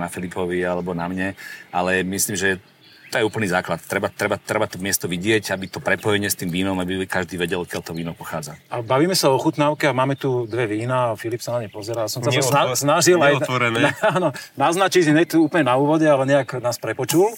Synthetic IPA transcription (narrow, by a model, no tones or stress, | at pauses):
nafilipɔʋialɛbɔnamɲɛalɛmisliːmʒɛ | t̪ɔjɛuːpl̩niːzaːklat̪t̪ːɾɛbaːɾɛbat̪ːɾɛbat̪ɔmɪɛst̪ɔʋiɟɪɛcabit̪ɔpɾɛpɔjɛɲɪɛst̪iːmʋiːnɔmabikaʒd̪iːʋɛɟɛlkjɛʎt̪ɔʋiːnɔʊpɔxaːd͡zaʔabaʋiːmɛsaɔxut̪naːʊkɛamaːmɛt̪ud̪ʋɛʋiːnafilipsanamɲɛpɔzɛɾaːjasɔmsaasnaʒilajɔɾɛnɛanɔnaznat͡ʃicɲɛt̪uuːpl̩ɲɛnauːʋɔɟɛalɛɲɛaknaːspɾɛpɔt͡ʃul